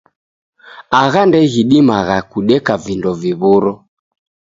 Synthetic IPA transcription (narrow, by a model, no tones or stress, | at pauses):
aɣandɛɣiɗimaɣakuɗɛkavindɔviβuɾɔ